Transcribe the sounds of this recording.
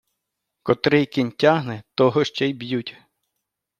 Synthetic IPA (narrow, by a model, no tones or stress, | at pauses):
kɔt̪ɾɪjkɪnʲtʲaɦnɛt̪ɔɦɔʃt͡ʃɛjbjutʲ